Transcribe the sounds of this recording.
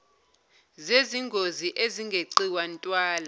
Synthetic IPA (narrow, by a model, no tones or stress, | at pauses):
zeziŋɡʱoziʔeziŋɡʱeǀiwantʼwaːla